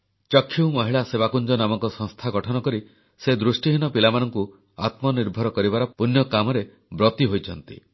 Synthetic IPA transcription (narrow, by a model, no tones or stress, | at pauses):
t͡ʃɔkʰːiwmɔɦiɭaseβakund͡ʒɔnamɔŋkɔsɔŋst̪ʰaɡɔʈʰɔnɔkɔɾi | sed̪ɾusʈiɦinɔpilamanɔŋku | a̰t̪mɔniɾbʱɔɾɔkɔɾibaɾɔpunjɔkamɔɾe | bɾɔt̪iɦojt͡ʃʰɔnt̪ḭ